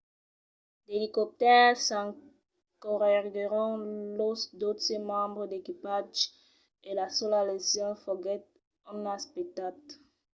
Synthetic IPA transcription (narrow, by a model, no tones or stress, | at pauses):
d̪elikɔp̚t̪ɛʁsɑ̃ | kɔʁɛɡeʁɔ̃losd̪ot̪emɑ̃bʁəd̪ekipaʒ | elasɔlalesjɔ̃fɔɡɛt̪̚ | ɔ̃nãspek̚t̪at̪